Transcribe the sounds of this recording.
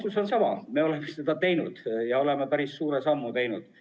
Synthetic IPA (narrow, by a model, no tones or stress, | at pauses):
suso̞nsɑmɑ̰me̞o̞le̞mːest̪ed̪ɑt̪e̞jnud̪̥jɑo̞le̞mepæɾissuːɾesɑmːut̪e̞jnud̪̥